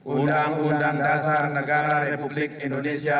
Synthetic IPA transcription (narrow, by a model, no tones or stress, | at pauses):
ʔundaŋundaŋdasaɾnɐɡaːɾaɾepublikindonesia